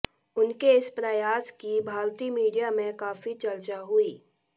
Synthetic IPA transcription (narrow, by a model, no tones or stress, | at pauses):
ʊnkeɪspɾəjaːskibʱaːɾt̪imiːɖijamẽkaːfit͡ʃɐlt͡ʃaɦʊiː